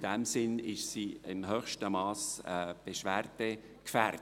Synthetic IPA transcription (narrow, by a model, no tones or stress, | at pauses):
dɛmsɪnɪʃsiːɪnɦœːxʃtəmɑːsɛb̥eʃværd̥ɛ | kfær